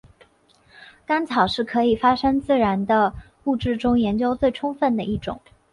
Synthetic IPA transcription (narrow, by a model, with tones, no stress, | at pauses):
ka˥nt͡sʰɑ˨˩ʊʂɻ̩˥˩kʰɤ˧˥i˨˩fa˥ʂɤ˥ŋt͡sɹ̩˥˩ɻa˧˥nd̪ə˧ | u˥˧ʈ͡ʂɻ̩˥˩ʈ͡ʂʊ˥ŋjɛ˧˥nt͡ɕjo˥ʊt͡swe˥˩ɪʈ͡ʂʰʊ˥ŋfə˥˩nd̪ə˩ʔi˥˩ʈ͡ʂʊ̰˨˩˦ŋ